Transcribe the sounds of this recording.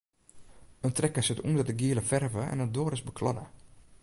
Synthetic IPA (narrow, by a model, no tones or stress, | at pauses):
əntrɛkəsɪtṵndɔt̚əɡiələfɛrvəɛ̰nədoːəɾɪsbəkʰlɔdə̰